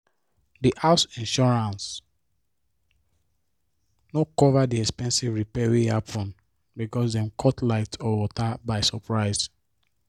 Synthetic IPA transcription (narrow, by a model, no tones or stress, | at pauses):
diʔaʊsĩnʃɔɹãns | nɔkɔvadiɛkspɛ̃nsivɹipɛɹiapʰɔ̃n | bikɔsdɛ̃mkʰɔtlaɪtɔwɔtabaɪsɔpɹaɪz̥